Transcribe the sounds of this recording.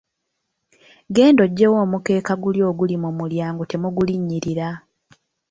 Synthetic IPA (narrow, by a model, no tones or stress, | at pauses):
ɡe̞ːndo̞ɟːe̞woːmuke̞ːkaɡuljo̞ːɡulimumuljaːŋɡote̞muɡuliɲːiɾiɾa